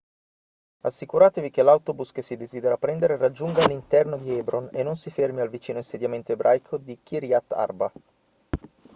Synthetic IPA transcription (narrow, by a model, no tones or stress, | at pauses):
a̰sːikuɾaːt̪evik̟elawt̪obuskesid̪eziːd̪eɾapɾɛnd̪eɾerad͡ʒːuŋɡaːlːint̪ɛrnod̪iɛbɾonḛnːonsifermialvit͡ʃiːnoinsed̪jament̪oebɾʔa̰jkʰod̪ik̟iɾjat̪ːa̰rba